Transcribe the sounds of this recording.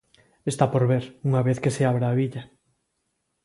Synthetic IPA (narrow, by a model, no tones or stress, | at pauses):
est̪apoɾβeɾuŋaβeθkeseaβɾaːβiʎa